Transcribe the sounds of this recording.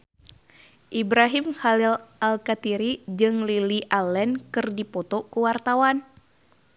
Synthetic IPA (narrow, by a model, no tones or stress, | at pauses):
ʔibɾaɦimxalilʔalkat̪iɾid͡ʒɨŋliliʔalːɛnkɨrdipɔt̪ɔkuwart̪awan